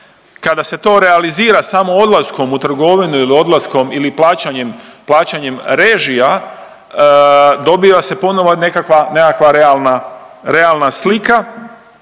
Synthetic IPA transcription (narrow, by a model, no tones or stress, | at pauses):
kad̪ase̞t̪o̞ːɾe̞aliziːɾasamo̞od̪lasko̞mut̪r̩ɡo̞ʋinuilio̞d̪lasko̞miliplaːt͡ɕaɲemplˠaːt͡ɕaɲemɾe̞ːʒia | d̪o̞biːʋasepo̞no̞ʋone̞kakʋane̞kakʋaɾealˠnaɾe̞alnaslika